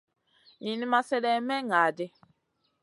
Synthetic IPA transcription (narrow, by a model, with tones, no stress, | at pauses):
jĩ˨ni˦ma˦sɛ˦dɛ˦mɛ˦ŋa˨de˦